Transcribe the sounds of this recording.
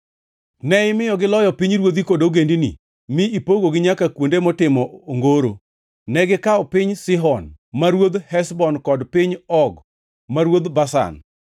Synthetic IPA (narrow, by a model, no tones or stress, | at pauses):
nɛɪmɪjɔɡɪlɔjɔpiɲɾwod̪̬ikodoɡendinḭ | mɪipoɡoɡɪɲakakwondemɔtɪmɔoŋɡoɾo | nɛɡɪkaɔpɪɲsɪɦɔnmaɾwod̪hɛsbɔnkɔdpɪɲɔɡ | maɾwod̪basa̰n